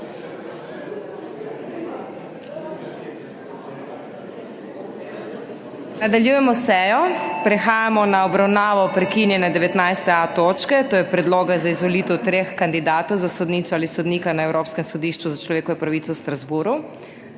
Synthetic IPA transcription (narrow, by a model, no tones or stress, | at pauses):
nad̪aljuːjɛmɔsɛːjɔpɾɛxaːjamɔnaɔbɾawnaːʋɔpɾɛkinjɛnɛd̪ɛʋɛt̪najst̪ɛat̪oːt͡ʃkɛt̪oːjɛpɾɛd̪loːɡazaizʋɔliːt̪ɛwt̪ɾeːxkand̪id̪aːt̪ɔwzasɔd̪niːsɔaːlisɔd̪niːkanaɛwɾoːpskɛmsɔd̪iːʃt͡ʃuzat͡ʃlɔʋeːkɔʋɛpɾaʋiːt̪sɔwst̪ɾazbuːɾu